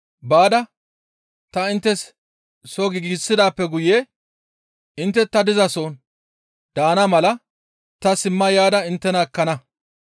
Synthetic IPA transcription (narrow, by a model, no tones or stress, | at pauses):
baːd̪ɐ | t̪ɐɪnt̪ːɛs | soɡɪɡiːsːɪd̪aːpːɛɡʊjeː | ɪnt̪ːɛt̪ːɐd̪ɪzɐsoːn | d̪̥aːnɐmɐlɐ | t̪ɐsɪmːɐjaːd̪ɐɪnt̪ːɛnɐɛkːɐnɐ